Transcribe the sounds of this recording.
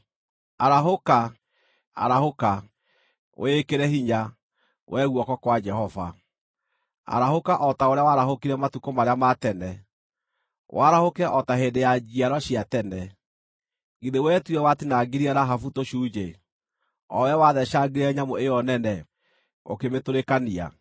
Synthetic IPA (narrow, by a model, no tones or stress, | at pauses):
aɾaɦoka | a̰ɾahoka | wʔekeɾɛhiɲa | wʔɛɣwɔkɔkwad͡ʒɛhɔva̰ | a̰ɾahokaʔɔtaoɾeawaɾaɦokiɾɛmatukomaɾeamatɛnɛ | waɾahokɛʔɔtahendejad͡ʒiaɾɔɕiatɛnɛ | ɣiðewɛːtuɛwatinaɡiɾiaɾaɦafutoɕuːd͡ʒe | ɔ̰wɛwaðɛʃaɡiɾɛɲamoejɔnɛnɛ | o̰kemetoɾekania̰